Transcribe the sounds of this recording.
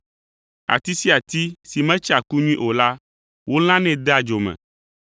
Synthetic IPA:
a̰˨t̪i˦si˦a˨t̪i˦si˨mɛ̃˦t͡ʃa˨ku˦ɲũ˦ĩ˦ʔo˨la˦ | wo˦l̃ã˦nɛ̃˦d̪e˦a˨d͡ʒo˨mɛ̰̃˨

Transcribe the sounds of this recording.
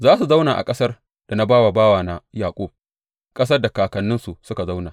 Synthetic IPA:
zaː˦su˨za˦wnaː˨ʔa̰˨kʼɐ˦sɐ˦r | d̥a˨na˦baː˦wa˨baː˦waː˨na˨jaː˨kʷʼoː˦ | kʼɐ˦s̬ɐ˦rda˨kaː˨kɐ˨nːɪ˦nsu˨sʊ˦ka˨za˦wnaː˨

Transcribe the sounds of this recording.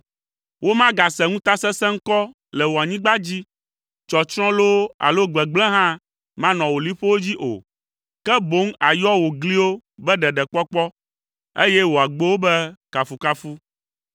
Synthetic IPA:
wo˦mã˦ɡa˨sɛ˨ŋũ˦t̪a˦sɛ˦sɛ̃˦ŋ̩˦kɔ˦ | lɛ˨wo˨a˨ɲĩ˦ɡ͡ba˦d͡ʑi˦ | t͡ʃɔ˨t͡ʃɾ̃ɔ̃˦lo˦a̰˨lo˦ɡ͡bɛ˨ɡ͡blɛ̃˦ɦã˦ | mã˦nɔ̃˨wo˨li˦ɸo˦wo˦d͡ʑi˦ʔo̰˨ | kɛ˦bo˦ŋa˨jɔ˦wo˨ɡli˦wo˦bɛ˦ɖɛ˨ɖɛ˨k͡pɔ˦k͡pɔ˦ | e˦jɛ˦wo˨a˨ɡ͡be˦wo˦bɛ˦ka˨fu˨ka˦fu˦

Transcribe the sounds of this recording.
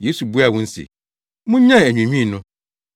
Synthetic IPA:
je˨˦su˨bu˦a˨wʊ̃˦n̩˦sḭ˨ | mʊ̃˦ɲã˦˨æ˨ɲᶣũ˨ɲᶣĩ˦˨nʊ̃˦

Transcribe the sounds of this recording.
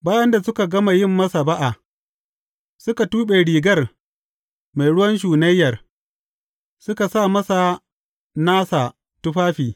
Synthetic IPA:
baː˦jɐ˦nda˨sʊ˦ka˨ɡɐ˦ma˨jɪ˦˨mːɐ˦sa˨ba˦ʔa˨ | sʊ˦ka˨tuː˦ɓe˨ɽiː˨ɡɐ˦˨r | ma˨jɽʊ˦wɐ˦nʃ̬uː˨nɐ˦jːɐ˨r | sʊ˦ka˨sa˦˨mɐ˦sa˨ | naː˦saː˨ | tʊ˦ɸaː˦ɸiː˨

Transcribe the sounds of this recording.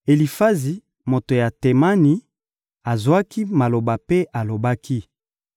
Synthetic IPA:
e˨li˨fa˦zi˨ | mo˨to˨ja˨te˨ma˦ni˨˦ | a˨zwa˦ki˦ma˨lo˨ba˨pe˦ʔa˨lo˨ba˦ki˦

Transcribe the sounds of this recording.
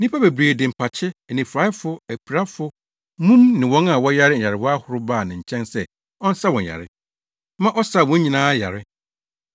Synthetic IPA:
nĩ˦pʰa˦be˨bɾeː˨dɪ̃˨m̩˨pʰa˨t͡ɕʰɪ˦˨nĩ˨fɾa˨˦ɪ˦fʊ˦æ˨pʰi˨ɾa˦fʊ˦ | mũ˦mnɪ̃˨wɔ̃˦na˨wɔ̃˦ja˦ɾɪ˦ɲ̩˨a˨ɾɪ˨wɔ˦a˦hʊ˨ɾʊ˦baː˦˨nɪ̃˨ɲ̩˨t͡ɕʰɛ̃˦nsɛ˦ | ɔ̃˦n̩˦sa˦wɔ̃˨a̰˨ɾɪ̰˦ | mã˦ʔɔ˦sa˨wɔ̃˦ɲĩ˨nãː˦ja̰˨ɾɪ˦

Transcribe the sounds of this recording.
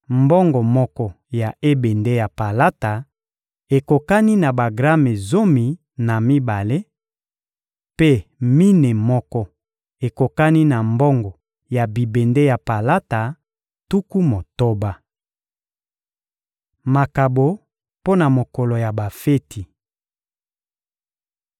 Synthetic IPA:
mbɔ˦ŋɡɔ˨mɔ˦kɔ˦ | ja˨ʔe˦be˨nde˦ja˨pa˨la˦ta˨ | e˨ko˨ka˦ni˦na˨ba˨ɡʁa˦me˨zo˦mi˨ | na˨mi˦ba˨le˦ | pe˦mi˦ne˨mɔ˦kɔ˦ | e˨ko˨ka˦ni˦na˨mbɔ˦ŋɡɔ˨ | ja˨bi˨be˨nde˦ja˨pa˨la˦ta˨ | tu˦ku˦mo˨to˦ba˦ | ma˨ka˨bo˨ | po˦na˨mo˨kɔ˨lo˨ja˨ba˨fe˦tʰi˨

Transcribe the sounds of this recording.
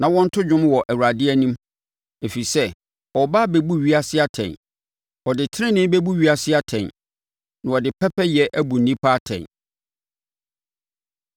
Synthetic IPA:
nã˨wɔ̃˦n̩˦tʰʊ˦d͡ʑᶣʊ̃˦mwɔ˨ʔæ˨wu˨ɾa˨dɪ˦ɛ˦nũ˦m | e˨fi˨sɛ˦ | ɔ˨baː˦be˨bu˦ɥi˦a˦sɪ˦a˦tʰɛ̰̃˨n | ɔ˨dɪ˨tʰɪ˦ɪ̃˦nɪ̃˦m˦be˦bu˦ɥi˦a˨sɪ˦a˦tʰɛ̃˨n | nã˨ɔ˨dɪ˨pʰɛ˦pʰɛ˦jɛ˨ʔæ˦bu˨n̩ː˨nĩ˦pʰa˦tʰɛ̰̃˨n

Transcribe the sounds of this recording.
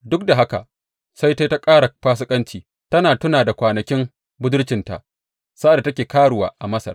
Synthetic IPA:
dʊ˦k̚da˨ɦa˦ka̰˨ | sa˦jta˦jta˦kʼaː˦ɽa˨ɸaː˦s̬ʊ˦kʼɐ˦nt͡ʃiː˨ | tɐ˦naː˨tʊ˦naː˨da˨kʷaː˨nɐ˨kʲɪ˦m | bʊ˦dʊ˦rt͡ʃɪ˨nta̰˨ʔ | sa˦ʔa˨da˨tɐ˦kʲeː˨kaː˦ɽʊ˨wa̰ː˨ʔa˨mɐ˦sɐ˨r

